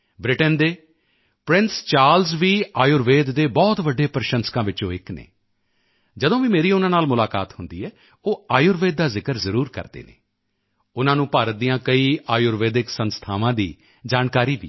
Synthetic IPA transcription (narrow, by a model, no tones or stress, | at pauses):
bɾɪʈənd̪eː | pɾɪ̃nst͡ʃaːɾlzʋiːaːjuːɾʋeːd̪ːeːbɔːt̪ʋəɖːeːpɾʃə̃nskãːʋɪt͡ʃõːɪknḛː | d͡ʒəd̪õːʋiːmeːɾiːʊnãːnaːlmʊlaːka̰ːt̪hʊnd̪iːɛː | oːaːjuːɾʋeːd̪̚ːaːzɪkəɾzəɾuːɾkə̰ɾd̪ḛːnḛː | ʊnãːnũːpaːɾət̪̚d̪ijãːkəiːaːjʊːɾʋeːd̪ɪksənst̪ʰaːʋãːd̪iː | d͡ʒaːnkaːɾiːʋḭː